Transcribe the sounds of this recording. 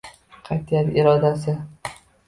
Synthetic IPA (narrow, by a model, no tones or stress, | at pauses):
qʰɑjt̪ʰjat̪ɪɾɒd̪asɪ